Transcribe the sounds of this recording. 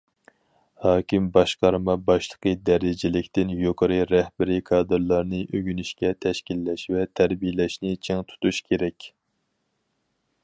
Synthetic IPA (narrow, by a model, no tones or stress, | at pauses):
hɑːkʲimbɑʃqɑɾmɑbɑʃlˠəqʰəd̪ɛɾɪd͡ʒɪlɪkʲt̪ɪnjoqʰəɾɨɾɛhbɪɾikʰɑːd̪ɨɾlˠɑɾnɨʔøɡʲynyʃkʲɛt̪ʰɛʃkʲilːɛʃvɛt̪ʰæɾbijlɛʃnɪt͡ʃʰeŋt̪ʰu̥t̪uʃkʲʰeɾɛkʲ